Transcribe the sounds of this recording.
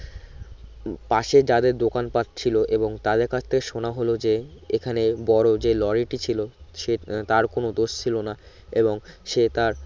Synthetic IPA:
paʃed͡ʑad̪eɾd̪okanpat̪̚t͡ɕʰiloʔeboŋt̪ad̪eɾkat͡ɕʰt̪ʰekeʃonaɦolod͡ʑeekʰanebɔɾod͡ʑelɔɾiʈit͡ɕʰiloʃet̪aɾkonod̪oʃt͡ɕʰilona | eboŋʃet̪aɾ

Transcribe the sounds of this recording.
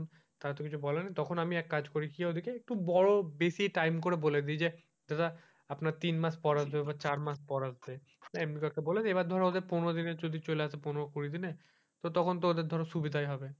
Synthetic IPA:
n | t̪aɾat̪okit͡ɕʰubɔlenːit̪ɔkʰonamiɛkːad͡ʑkoɾikiɛod̪ʱikeek̚ʈubɔɹobesiʈajmkoɾeboled̪id͡ʑe | d͡ʑatʰa | apnaɾt̪inmaspɔɾasb̪eebat͡ɕaɾmaspɔɾasd̪e | naemnikakeboled͡ʑeebaɾd̪ʱɔɾaod̪eɾpunoɾod̪ined͡ʑod̪ʱit͡ɕoleasʰeponoɾokuɾid̪ine | t̪ot̪ɔkʰont̪̬ood̪eɾd̪ʱɔɾeʃubid̪ʱajɦɔbe

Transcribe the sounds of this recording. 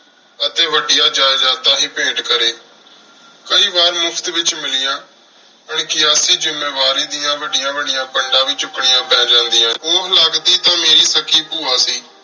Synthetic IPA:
ət̪eːʋəɖɪjaːd͡ʒaːjd͡ʒaːt̪aːɦiːpẽːɖkəɾeː | kəiːbaːɾmʊpʰt̪ʋɪt͡ʃmɪlɪjãː | əɳkɪaːsiːd͡ʒɪmːeːʋaːɾiːd̪ɪjãːʋəɖɪjãːʋəɖɪjãːpəɳɖãːʋiːt͡ʃʊkɳɪjãːpɛ̃ːd͡ʒãːnd̪ɪjãːɦoːɦlaːkd̪iːt̪ãːmeːɾiːsəkiːpuːaːsiː

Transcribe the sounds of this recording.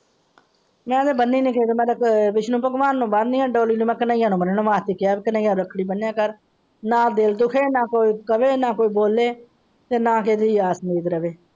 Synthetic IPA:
mɛ̃ːd̪eːbənːiːnɪ̃ːkeːd̪eːmɛ̃ːd̪ʋɪʃnũːpəɡʋaːnːũːbənd̪niːãːɖoːliːnũːmɛ̃ːkənãːijãːnũːbəneːnũːʋaːt̪iːkɪjaːbeːkɪnãːãːɾəkʰɽiːbənːjãːkəɾ | nãːd̪ɪld̪ʊkʰeːnãːkoːiːkəʋeːnaːkoːiːboːlːeː | t̪eːnãːked̪iːaːsmiːd̪ɾəʋeː

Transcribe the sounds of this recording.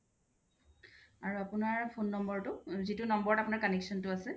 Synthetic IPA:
aɹuapʊnaɹpʰonːɔmbɔɹtʊzitʊnɔmbɔɹɔtapʊnaɹkɔnɛksɔntʊasɛ

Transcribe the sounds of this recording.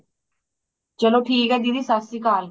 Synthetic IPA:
t͡ʃəloːʈʰiːkɛːd̪id̪iːsasikaːl

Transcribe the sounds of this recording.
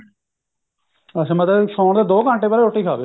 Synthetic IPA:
əsẽːmət̪eʃɔ̃ːɳd̪eːd̪oːkəɳʈeːpəɾeɾoːʈiːkʰaːbeː

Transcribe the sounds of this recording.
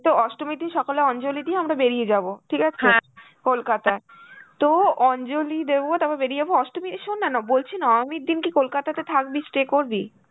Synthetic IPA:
t̪oɔʃʈomid̪inʃɔkoleɔnd͡ʑolid̪ieamɾabeɾied͡ʑaboʈʰikat͡ɕʰe | kolkat̪a | t̪oɔnd͡ʑolid̪ebot̪ababeɾied͡ʑaboɔʃʈomit̪ʃonːanabolt͡ɕʰenaamid̪inkikolkat̪at̪et̪ʰakbisʈɾekoɾbi

